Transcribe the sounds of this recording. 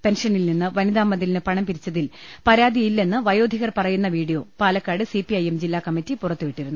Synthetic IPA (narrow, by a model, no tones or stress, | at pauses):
pe̞nʂɐnilninːɨʋɐniðaːmːɐd̪ilinɨpɐɳɐmpiɾit͡ɕːɐðilpɐɾaːd̪ijilːe̞nːɨʋɐjo̞ːd̪ʱiɣɐrpɐrɐjunːɐʋiːɽijo̞ːpaːlɐkːaːɽɨsipiɐjemd͡ʑilːaːkɐmːitːipurɐt̪ːuʋiʈːiɾunːu